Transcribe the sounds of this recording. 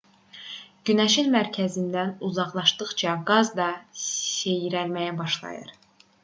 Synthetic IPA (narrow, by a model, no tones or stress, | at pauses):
ɟ̥ynæʃilmæɾcʰæzind̪ænuzɑʁlˠɑʃdt̪ɯχt͡ʃʰɑɡɑzd̪ɑse̞jiɾælmæjæbɑʃlˠɑ̰jɯ̰ɾ